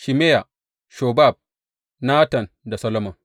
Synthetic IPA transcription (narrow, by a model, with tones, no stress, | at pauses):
ʃi˨me˦ja˨ | ʃo˨ba˦˨b̚ | naː˦tɐ˨n | da˨sɐ˦lo˦mɐ˨ŋ